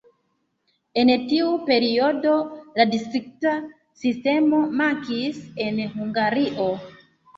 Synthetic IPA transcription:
e̞ntiupe̞ɾio̞do̞ladistɾik̚ta | siste̞mo̞makisenɦuŋɡaɾiʔo̞

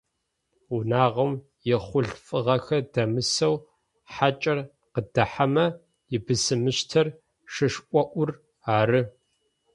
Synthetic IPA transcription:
unaːʁɐm | jɪχʷʊɮfʼɨʁɐxɐdɐmɨsɐw | ħat͡ʃʼɐr | qədɐħamɐ | jɪbɨsɨmɨɕtʰɐr | ʂɨʂʔʷʼɔʔʷʊr | aːɾɨ

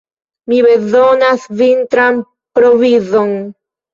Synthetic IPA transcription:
miβeðonasvint̪ɾam | pɾoβiðoŋ

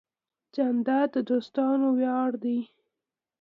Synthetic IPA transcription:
d͡ʒand̪ad̪əd̪ost̪ɑnowjɑɽd̪i

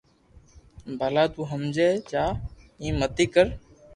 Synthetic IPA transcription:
bʱalaːt̪uːɦəmd͡ʒeːt͡ʃaː | ĩːmət̪iːkəɾ

